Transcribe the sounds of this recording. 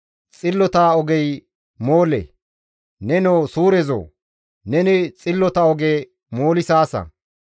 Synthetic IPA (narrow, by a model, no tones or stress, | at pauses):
t͡sʼɪlːɔt̪aɔɡɛj | mo̞ːlɛ̰ | nɛnowsuːɾɛzo̰ː | nɛnɪt͡sʼɪlːɔt̪ɐɔɡe | mo̞ːlɪsaːsɐ̰